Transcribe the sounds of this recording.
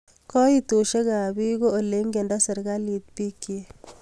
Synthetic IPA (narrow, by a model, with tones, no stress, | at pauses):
kɔ˦i˦t̪o˨ʃe˦ka˨bi˦ɡo˦o˨le˦ŋɡe˨ndɔ˦sɐ˨ɾɡa˦li˨t̪̚pi˦kːi